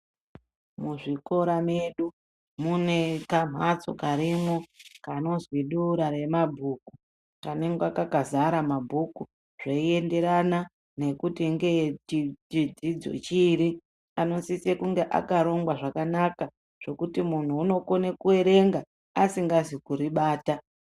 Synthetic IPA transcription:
muʐiko̞ɾameɗu | mune̞kam̤ʱat͡so̞̰kaɾimokano̞zwiɗuɾaɾe̞mabʱuːku | kaneŋɡwakakazaɾamabʱuku | ʐ̥eie̞nde̞ɾana | ne̞kutiŋɡe̞t͡ʃiid͡zid͡zo̞̰t͡ʃiːɾi | ano̞sisekuŋɡe̞ʔa̰kaɾo̞ŋɡwaʐakanaka | ʐ̥e̞kutimun̤uːno̞ko̞nekue̞ɾe̞ŋɡaː | siŋɡazikuɾiɓaːta

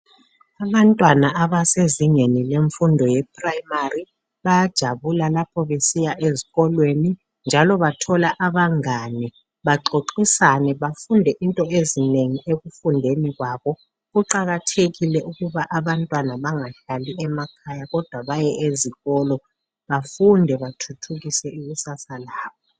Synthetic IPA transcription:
aβantʼwanaaβaseziɲenileɱfundʱɔjɛp̚ʰʼraimari | βajad̥ʒ̥ʱaβulalapʰɔβesijaʔeziɣɔlweni | nd͡ʒʱalɔβatʰɔlaʔaβaŋanɛ | βaǃoǃisanɛβafundʱɛʔintʼɔʔezineŋiʔeɣufundʱeniɣwaːβɔ | ɣuǃaɣatʰeɣilɛʔuɣuβaʔaβantʼwanaβaŋaɬaliʔɛmakʰajaɣɔd̥ʱwaβajɛʔeziɣɔlɔ | βafundʱɛβatʰutʰuɣisɛuɣusasalaːβɔ

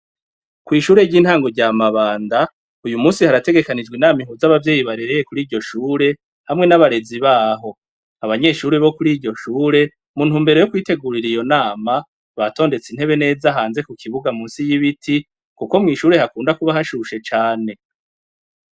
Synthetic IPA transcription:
kwiːʃuːɾe̞ɟiːn̥haːŋɡo̞ɾɟamaβaːnda | ujumuːnsihaɾate̞ɡe̞kanid͡ʒɡwinaːmihuzaβavje̞ːjiβaɾeɾejekuɾiːɾɟo̞ʃuːɾe̞ | hamŋe̞naβaɾe̞ziβaːɦo̞ | aβaɲe̞ʃuːɾeβo̞kuɾiːɾɟo̞ʃuːɾe̞ | muːn̥huːmbe̞ɾo̞jokwiːte̞ɡuɾiɾijo̞naːma | βato̞ːnde̞t͡sin̥he̞βe̞ne̞ːzaɦaːnze̞kukʰiβuɡamuːnsijiβitʰi | kuko̞mŋiːʃuːɾe̞hakuːndakuβaɦaʃuʃe̞t͡ʃaːne̞

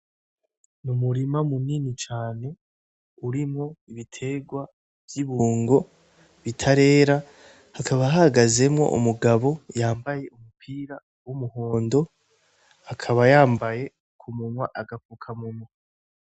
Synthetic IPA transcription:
numuɾimamuninit͡ʃaːne̞ | uɾimŋo̞iβitʰe̞ɡwa | vjiβuːŋɡo̞ | βitʰaɾe̞ːɾa | hakʰaβaɦahaɡaze̞mŋo̞̰ʔṵmuɡaβo̞jaːmbaje̞ʔumupʰiːɾa | wumuho̞ːndo̞ | hakʰaβajaːmbaje̞ | kʰumunwaʔaɡafukʰamumwa

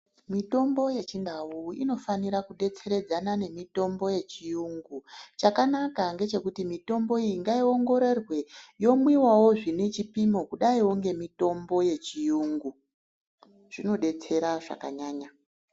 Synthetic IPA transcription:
mito̞mbo̞je̞t͡ʃindawuḭno̞faniɾakuɗe̞t͡se̞ɾe̞d͡zanane̞mito̞mbo̞je̞t͡ʃijuŋɡut͡ʃakanakaŋɡe̞t͡ʃe̞kutimito̞mbo̞ijiŋɡaio̞ŋɡo̞ɾe̞rwe̞jo̞mwiwawo̞ʐine̞t͡ʃipimo̞kuɗaiwoŋɡe̞mito̞mbo̞je̞t͡ʃijuːŋɡu | ʐ̥ino̞ɗe̞t͡se̞ɾaʐa̰kaɲaːɲa

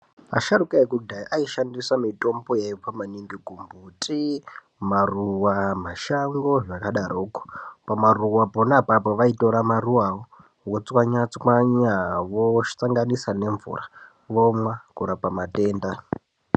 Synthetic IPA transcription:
a̰ʃaɾukaekudaiʔaiʃandisamito̞mbojepamaniŋɡiɡʱumbutʰʼi | maruwamaʃaŋɡo̞ʐakaɗaɾoːko̥pamaruwaponapapoʋaito̞ɾamaruwawo | wot͡swaɲat͡swaɲaʋoʃi̥t͡saŋɡanisane̞ɱvṵra | ʋomwakuɾapamate̞ːnda

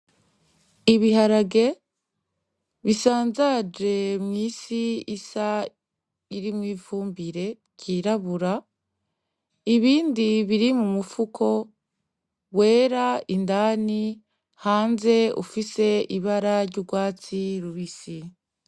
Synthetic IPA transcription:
iβiɦaɾaɡe̞ | βisaːnzad͡ʒe̞mŋiːsiisa | iɾimwiːvuːmbiɾe̞ | ciɾaβuɾa | iβiːndiβiɾimumufukʰo̞ | we̞ːɾaindaːni | haːnze̞ṵfise̞iβaɾaɾɟuɡwaːt͡siɾuβisi

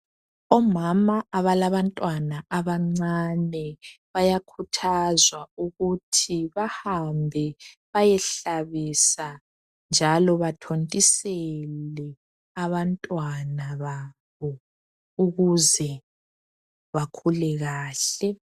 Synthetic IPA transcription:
ɔmamaʔaβalaβantʼwanaʔaβaŋ͡ǀanɛβajakʰutʰazwauɣutʰiβahambʱɛβajɛɬaβisa | nd͡ʒʱalɔβatʰontʼisɛlɛ | aβantʼwanaβa | βɔ | uɣuzɛ | βakʰulɛɣaːɬɛ

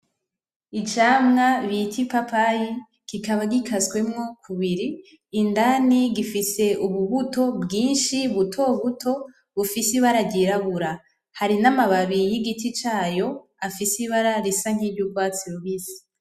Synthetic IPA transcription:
it͡ʃamŋaβitʰipapaji | kikaβaɡikʰazɡwe̞mŋo̞kʰuβiɾiː | ndaniɡifise̞ʔuβuβuto̞bɡiːnʃiβutʰo̞βutʰo̞ | βufisiβaɾaɟiɾaβuɾa | haɾinamaβaβijiɡitit͡ʃaːjo̞ | afisiβaɾaɾisaŋ̥hiːbɟuɡwaːt͡siɾuβisi̥

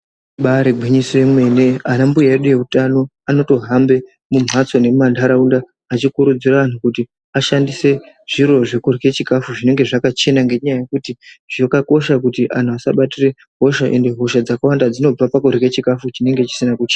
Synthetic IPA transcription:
ɓaɾebʱwiɲisie̞mwe̞ne̞anambujaeɗuje̞utano̞ | ano̞to̞ɦambe̞ | mum̤ʱat͡so̞ne̞mandʱaɾaundaː | t͡ʃikuɾud͡ziraʋan̤ukuti | aʃandise̞ | ʐ̥iɾo̞ʐe̞kurɣe̞t͡ʃikafuʐine̞ŋɡe̞ʐakat͡ʃe̞naŋɡe̞ɲajaje̞kutiʐjokako̞ʃakutiʔa̰n̤uasa̰ɓatire̞ | ɦo̞ʃaʔe̞nde̞ɦo̞ʃad͡zakawandad͡zino̞b͡vapakurɣe̞t͡ʃikafut͡ʃine̞ŋɡe̞t͡ʃi̥sinakut͡ʃeːna

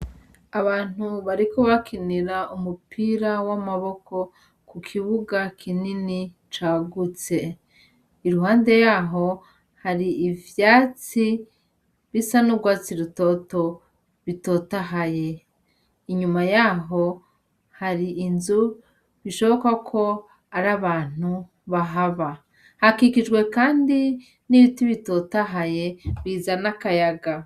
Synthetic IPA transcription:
aβaːn̥huβaɾikoβakʰiniɾaumupʰiɾawamaβo̞ko̞ | kukʰiβuɡakʰinini | t͡ʃaːɡut͡se̞ | iɾuɦaːnde̞jaːɦo̞ | haɾiːvjaːt͡si | βisanuɡwaːt͡siɾuto̞to̞ | βito̞ːtaɦaje̞ | iɲumajaɦo̞ | haɾiːnzu | βiʃo̞βo̞kakʰo̞ | aɾaβaːn̥u | βaɦaβa | hakikiʒɡwe̞kaːndi | niβitiβito̞taɦaje̞βiːzanakajaɡa

